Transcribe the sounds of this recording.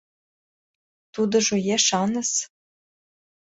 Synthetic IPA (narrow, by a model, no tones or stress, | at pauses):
t̪ud̪ɤ̆ʒojeʃɑnɤ̆s